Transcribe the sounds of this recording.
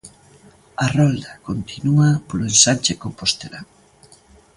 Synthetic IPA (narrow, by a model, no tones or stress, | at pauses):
arɔld̪akont̪inuapolensant͡ʃekompost̪ela